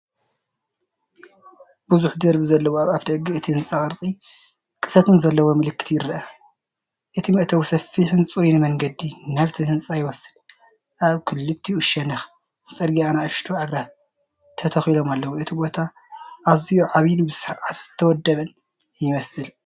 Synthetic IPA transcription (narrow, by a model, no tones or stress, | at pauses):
buzuħd̪ɐɾbɨzɐlːɐwoaβaft̪ʰɐʔɡiʔɨt̪ʰiɨnt͡sʼakʼɐɾt͡sʼi | kʼɨ̥sɐt̪ɨnzɐlːɐwo̞mɨlɨkːɨ̥t̪ʰjɪɾɐʔɐ | ʔɨt̪ʰimɨʔt̪ʰɐwsɐfːiħɨnsʼuɾinɨmɐŋɡɐd̪inaβt̪ʰiɨnt͡sʼajɪwɐsɨl | ʔaβkʰɨlːɨt̪ʰːiuʃɐnɐx | ɨt͡sʼɐɾɡianaʔɨʃt̪ʰuaɡɾa | t̪ʰɐt̪ʰɐxilo̞malːɐwuʔɨt̪ʰibo̞t̪ʰa | ʔːβzijuʕaβjɪnbɨsɨɾʕat̪z̥ɨt̪ʰːɐwɔd̪ːɐβɐn | jɪmɐsɨl